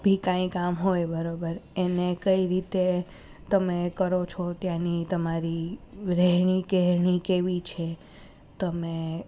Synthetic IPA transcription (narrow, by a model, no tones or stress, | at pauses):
bʱikãĩkamɦojbəɾobəɾenekəiɾit̪e | t̪əmekəɾot͡ʃʰɔt̪jãnit̪əmaɾiɾɛɦɳ̃ikɛɦɳ̃ikeʋit͡ʃʰe | t̪əme